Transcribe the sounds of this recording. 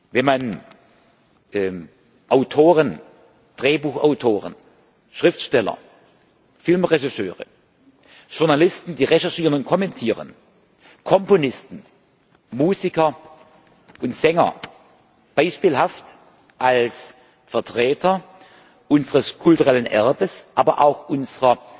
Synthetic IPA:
vɛnman | ʔɛ | ʔaʊtʰoːʁən | d̥ʁeːbuːxa̰ʊtʰoːʁən | ʃʁ̥ɪftʃtɛlɐ̰ | fɪlmʁɛʃɪʃøːʁə̰ | ʒ̥ʊɐnalɪstn̩diːʁɛʃɛɐʃiːʁənʊnt̚kʰɔmɛntʰiːʁə̰n | kʰɔmponɪstn̩ | muːzɪkɐ | ʔʊntz̥ɛŋɐ̰ | b̥aɪʃpiːlhaft | ʔals | fɛɐtʁ̥ɛːtʰɐ | ʔʊnzəʁəskʰʊltuʁɛlənʔɛɐbəsʔaːbɐʔa̰ʊxʔʊnzəʁɐ

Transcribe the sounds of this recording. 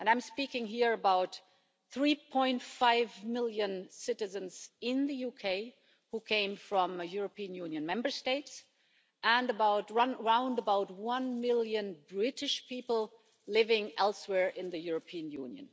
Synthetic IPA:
ʔɨ̃nãɪ̃mspikɪ̃ŋɦiɹəbaʊt̪ | θɹipʰɔ̃ɪ̃ntfaɪvmɪlˠjɨ̃nsɪɾɨzɨ̃nz̥ɪ̃nðɨjukʰeɪ | hukʰẽɪ̃ɱfɹʌ̃mɨjʊɹəpiɨ̃njũnjɨ̃nmɛ̃mbə˞steɪts | ʔə̃nəbaʊtɹʌ̃nɹãʊ̃ndəbaʊt̚wʌ̃nmɪlˠjɨ̃nbɹɪɾɨʃpipl̩ˠ | lɪvɪ̃ŋɛlˠswɛɹʔɪ̃nðɨjʊɹəpʰiɨ̃njṵ̃njɨ̰̃n

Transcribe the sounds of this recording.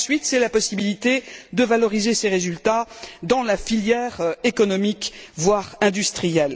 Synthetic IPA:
sɥit̪sɛlapɔsibilit̪ed̪əvalɔʁizeseʁezylt̪ad̪ɑ̃lafiljɛʁekɔnɔmikvwaʁɛ̃d̪yst̪χijɛl

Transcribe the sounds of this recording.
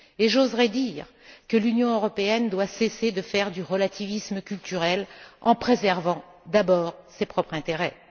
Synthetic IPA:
eʒozʁɛd̪iːʁ | kəlynjɔ̃øʁɔpeɛnd̪wasesed̪əfɛʁd̪yʁəlat̪ʰivisməkʲylt̪yʁɛlɑ̰̃pχezɛʁvɑ̃ | d̪abɔːʁsepχɔpχɛ̃t̪eʁɛ

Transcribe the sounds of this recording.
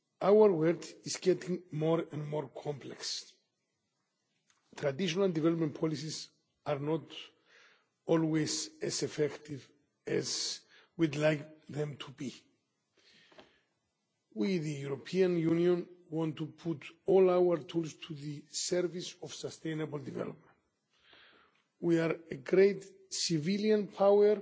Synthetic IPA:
awəɹwɛtizɡɛtʰĩŋmɔɾɛ̃nmɔɹkʰɔ̃mpʰlɛks | t̪ʰɾad̪iʃonald̪ivɛlopmɛ̃npʰɔlis̬is | aɾnɔt | ɔlwezɛsɛfɛkt̪iv | ɛzwid̪lajkðɛ̃mt̪ʰubi | wiðɨjuɾopʰiãnjunjõnwɔ̃ntupʰutɔlawəɹtʰulstʰuðɨsɛɹvisɔv̥səst̪ẽɪnəbəl̩divɛ̰lɔ̰p̚mɛ̃nt | wiaɾeɡɹeɪt | siviljãnpʰawəɹ

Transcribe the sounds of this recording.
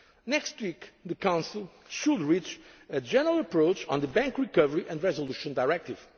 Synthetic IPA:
nɛkst̪wikðɨkãʊ̃nsilˠ | ʃudɹit͡ʃɨd͡ʒɛnəɹəlˠəpɹoʊt͡ʃɔ̃nd̪ðəbɛ̃ŋkɹikʌvəɹiʔɛ̃ndɹɛzoluʃɔ̃nd̪aɪɹɛk̚t̪iv̥

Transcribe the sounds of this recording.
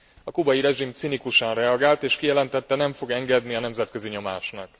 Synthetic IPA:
ɒkubɒjiɾɛʒimt̪sinikuʃɒnrɛɒɡaːlt̪eːʃkijɛlɛnt̪ɛt̪ːɛnɛɱfo̞ɡɛŋɡɛd̪niɒnɛmzɛt̪køziɲo̞ma̰ːʃnɒk̚

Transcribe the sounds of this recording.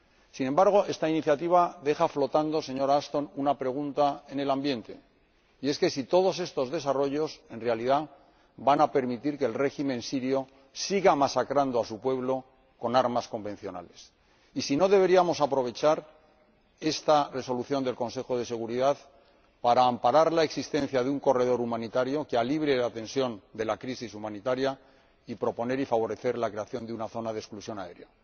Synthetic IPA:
sinẽ̞mbaɾɣ̞o̞e̞st̪ainiθjat̪iβ̞aðe̞xaflo̞t̪and̪o̞se̞ɲo̞ɾaast̪o̞nunapɾe̞ɣ̞unt̪ae̞ne̞lambje̞nt̪e̞̰ | ie̞ske̞sit̪o̞ð̞o̞se̞st̪o̞zðe̞saro̞ʝo̞se̞nrealiða | banape̞ɾmit̪iɾkeːlre̞ximẽ̞nsiɾjo̞ | siɣamasakɾand̪o̞asupwe̞βlo̞ | ko̞naɾmasko̞mbe̞n̟θjo̞na̰le̞s | isino̞ðe̞β̞e̞ɾiamo̞sapɾo̞βe̞t͡ʃaɾ | e̞st̪are̞so̞luθjo̞nd̪elko̞nse̞xo̞ð̞e̞se̞ɣ̞uɾiðað | paɾaːmpaɾaɾlaeksist̪ẽ̞nθjaðeuŋko̞re̞ð̞o̞ɾumãnit̪aɾjo̞kealiβ̞ɾe̞lat̪ẽ̞nsjo̞nd̪e̞lakɾisisumãnit̪aɾja | ipɾo̞po̞ne̞ɾifaβ̞o̞ɾe̞θe̞ɾlakɾe̞aθjo̞nd̪eunaθo̞nað̞esklusjo̞nae̞̰ɾeo

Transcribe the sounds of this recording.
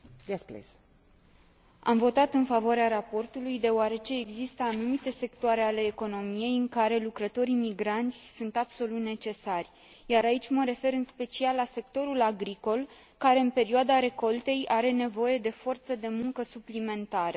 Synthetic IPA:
asplḛs | a̰mvo̞t̪at̪ɨnfavoaɾeaɾapo̞rt̪ulujd̪e̞oaɾe̞t͡ʃe̞ːɡzist̪əanumit̪e̞se̞kt̪oaɾe̞ale̞ːko̞no̞mije̞jɨŋkaɾe̞lukɾət̪o̞ɾimiɡɾant̪sʲsunt̪abso̞lut̪ne̞t͡ʃe̞sarʲ | jaɾait͡ʃʲməɾe̞fe̞ɾɨnspe̞t͡ʃialːase̞kt̪o̞ɾulaɡɾiko̞l | kaɾe̞ɨnpe̞ɾioad̪aɾe̞ko̞lt̪e̞jʔaɾe̞ne̞vo̞je̞d̪e̞fo̞rt̪səd̪e̞muŋkəsuplime̞nt̪aɾə

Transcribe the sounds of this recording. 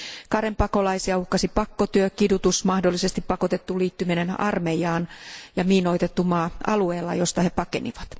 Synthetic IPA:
kɑɾempɑko̞lɑisiɑuhkɑsipɑkːot̪yøkidut̪usmɑhdolːise̞st̪ippɑko̞t̪e̞t̪ːuliːt̪ːyminenɑ̰rme̞jɑːnjɑmiːno̞it̪et̪ːumɑːɑ̰lueːlːɑ̰jo̞st̪ɑhe̞pɑkenḭʋɑt̪

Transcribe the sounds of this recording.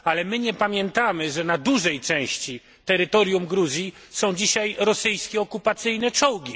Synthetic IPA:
alɛmɘɲɛpamʲjɛnt̪amɘʐɛnad̪uʐɛjt͡ʂɛ̃w̃ɕt͡ɕi | t̪ɛɾɘt̪ɔɾʲjumɡɾuzʲji | sɔ̃w̃d͡ʑiɕajɾɔsɘjskʲɛɔkupat̪sɘjnɛt͡ʂɔwɡʲi

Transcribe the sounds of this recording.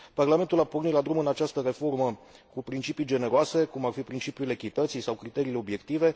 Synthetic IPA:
parlame̞nt̪ulapornit̪lad̪ɾumɨnat͡ʃast̪əɾe̞fo̞rməkupɾint͡ʃipijd͡ʒe̞ne̞ɾoase̞kumarfipɾint͡ʃipjule̞kʲit̪ət̪sijsawkɾit̪e̞ɾiːleo̞bje̞kt̪ive̞

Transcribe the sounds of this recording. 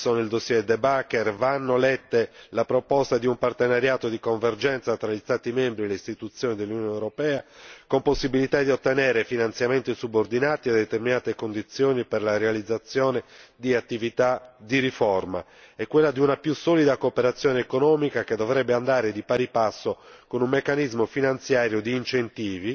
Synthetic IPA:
sonild̪osːjɛd̪ebakːɛrvanːolɛt̪ːelapɾopɔst̪ad̪iumpart̪enaɾjaːt̪od̪ikoɱverd͡ʒɛnt̪sat̪ɾaʎist̪aːt̪imembɾieleist̪it̪ut̪sːjoːnid̪elːunjoɔnewɾopɛːakomposːibilit̪ad̪iot̪ːenɛːɾefinant̪sjament̪isubord̪inaːt̪iad̪et̪erminaːt̪ekond̪it̪sjoːniperlaɾealid̪zːat̪sːjoːned̪iat̪ːivit̪ad̪iɾifɔrma̰ | ɛkːwelːad̪iunapjusɔːlid̪akoːpeɾat̪sːjɔːneːkonɔːmikaked̪ːovɾɛbːeand̪aːɾed̪ipaɾipasːokonumːekːanizmofinant̪sjaːɾjod̪iːnt͡ʃent̪iːvi

